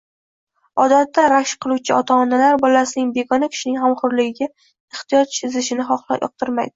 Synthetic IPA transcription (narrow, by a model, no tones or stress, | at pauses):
ɒd̪at̪ːaɾaʃqʰɨlˠuwt͡ʃʰɪɒt̪ʰaɒnalaɾbɒlasɪnɪŋbe̞ɡɒnakʲʰɪ̥ʃɪnɪŋhamχʊɾlɪɡʲɪɡʲa | ɪχt̪ɪjɒt̪t͡ʃɪzɪʃɪnɪχɒχlˠa̰pjɒ̰q̚t̪ʰɪɾma̰jd̪ɪ